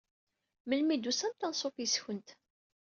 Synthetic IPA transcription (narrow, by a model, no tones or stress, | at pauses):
məlmid̪usænt̪ːɑnsˤofjsçənt̪